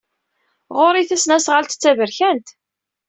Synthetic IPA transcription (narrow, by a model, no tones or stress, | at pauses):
ʁoɾˤiθæsnæsʁəlt̪t͡sːævəɾçænt̪